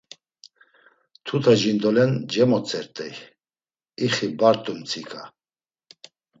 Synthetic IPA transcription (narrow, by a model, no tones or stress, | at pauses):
t̪ʰut̪ʰaʒind̪ɔlɛnd͡ʒɛmɔt͡sʼɛɾt̪ʼɛj | iχibaɾt̪ʼumt͡sʰikʰa